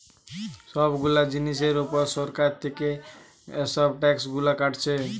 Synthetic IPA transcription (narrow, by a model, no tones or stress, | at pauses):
sʌbɡulad͡zinis̬eɾupʌɾsɔɾkat̪ike | sʌbʈaksɡulakaʈt͡sʰe